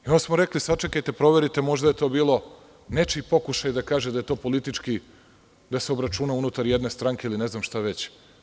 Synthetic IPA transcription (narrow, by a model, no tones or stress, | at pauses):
ionsmoɾe̞klisat͡ʃe̞kajt̪e̞pɾo̞ʋe̞ɾit̪e̞mo̞ʒd̪aje̞t̪o̞ːbiːlˠo̞ | ne̞t͡ʃipo̞kuʃajd̪akaːʒed̪aje̞t̪o̞ːpolit̪it͡ʃki | d̪aseo̞bɾat͡ʃunaunut̪aɾje̞d̪ne̞st̪ɾaŋke̞iline̞znamʃt̪aʋe̞t͡ɕ